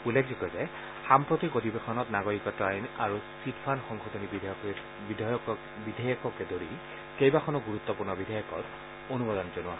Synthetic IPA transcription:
ulekzikɔzɛ | xampɹot̪ikotʰibexʰɔnɔtnaɡoɹikɔtɹajna̰ɹusitʰpʰanxɔŋɡʱɔtʰonibi | bidɔjɔ | bidʱajɔkɔkɛdoɹi | kejbakʰɔnɔɡuɹut̪ːɔpuɹnɔbidʱajɔkɔ̰t | onubɔd̪ɔnzonʊwa̰

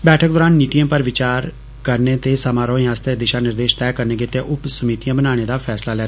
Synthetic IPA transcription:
bɛːʈʰək̚d̪ɔːɾaːnːiːʈijãːpəɾʋɪt͡ʃaːɾ | kəɾneːt̪eːsəmaːɾoːĩaːst̪eːd̪ɪʃaːnɪɾd̪eːʃt̪ɛːkəɾneːɡɪt̪ːeːʔʊpsəmiːʈ̪ijãːbənaːɽ̃eːd̪aːpʰɛːslaːlɛː

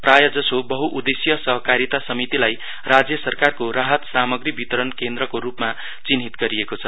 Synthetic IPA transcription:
prajʌd͡zʌsobʌɦuʔud̪esjʌsʌɦʌkaɾit̪asʌmit̪ilaj | rad͡zjʌsʌrkarkoɾaɦʌt̪samʌɡribit̪ʌɾʌnkend̪ɾʌkoɾupma | t͡sinɦit̪ɡʌɾiekot͡sʰʌ

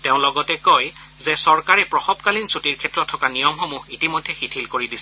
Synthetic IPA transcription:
teʊ̃lɔɡɔtɛkoj | zɛsɔɹkaɹɛpɹɔxɔbkalinsutiɹkʰɛtɹɔtʰːɔkanijɔmxɔmuitimɔjdʱːɛxitʰilkoɹidisɛ

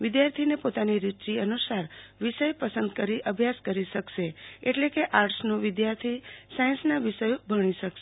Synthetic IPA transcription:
ʋɪd̪jaɾt̪ʰinepot̪aniɾɪt͡ʃiənusaɾʋɪʃəjpəsənd̪kəɾiʔəbʱjaskəɾiʃəkʃeeʈlekeʔaɾʈsnũʋɪd̪jaɾt̪ʰisajə̃nsnaʋɪʃəjobʱəɽ̃iʃəkʃe

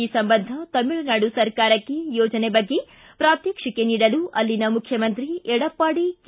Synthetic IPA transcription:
iːsɐmbɐnd̪ʱɐt̪ɐmiɭɐnaːɽusɐɾkaːɾɐkːejɔːd͡ʒɐnebɐɡːe̞ | pɾaːt̪jɐkʂɐkeniːɽɐluʔɐlːinɐmukʰjɐmɐnt̪ɾiɛɽɐpːaːɽik

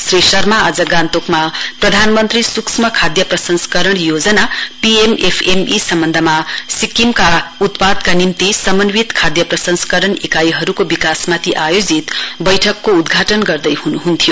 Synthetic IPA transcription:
srisʌrmaad͡zʌɡãnt̪okmaprʌd̪ʱanmʌnt̪risuksmʌkʰad̪jʌprʌsʌnskʌɾʌɳ̃jod͡zʌnapiemepʰemisʌmbʌnd̪ʱʌmasikːimkaut̪pad̪kanimt̪isʌmʌnwit̪kʰad̪jʌprʌsʌnsʌ̥kʌɾʌɳekajɦʌɾukobikasmat̪ʰiʔajod͡zit̪bʌjʈʰʌkːoud̪ɡʱaʈʌnɡʌrd̪ʌjhunuɦunt̪ʰijo

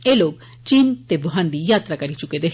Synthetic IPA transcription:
eːloːɡ̚ | t͡ʃiːnt̪eboɦãnd̪ijaːt̪ɾakɐɾit͡ʃʊked̪e

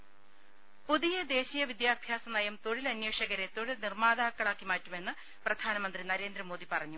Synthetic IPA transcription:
puðijɐd̪e̞ːɕijɐʋid̪jaːbʱjaːsɐnɐjɐmt̪oɻilɐnjeːʂɐɣɐɾet̪oɻilnirmaːðaːkːɐɭaːkːimaːtːume̞nːɨ | prɐd̪ʱaːnɐmɐnd̪rinɐɾe̞ːnd̪ɾɐmo̞ːðipɐrɐɲːu

